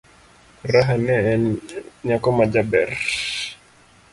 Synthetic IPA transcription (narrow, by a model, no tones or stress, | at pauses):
raɦanɛɛnɲakɔmad͡ʒabɛ̰r